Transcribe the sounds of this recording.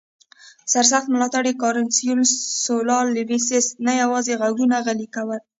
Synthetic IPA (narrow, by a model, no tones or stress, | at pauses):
saɾs̬axt̪̚mɪlɑt̪aɽekɑɾɪnsijunsolɑlːɪvisɪsnajawɑzeɣaɡɾunaɣalikawəl